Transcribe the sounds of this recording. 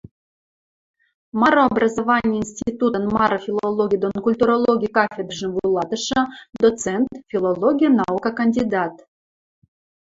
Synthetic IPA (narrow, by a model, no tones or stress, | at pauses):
mɑɾoːbrɑzovɑnʲɪjəinsʲtʲit̪ut̪ənmɑɾŏfʲilˠolˠoɡʲid̪onkulʲt̪uɾolˠoɡʲikɑfʲed̪rʐə̆nvulˠɑt̪ə̆ʃɤ̆d̪ot͡sent̪fʲilˠolˠoɡʲijnɑukakɐnʲdʲid̪ɑt̪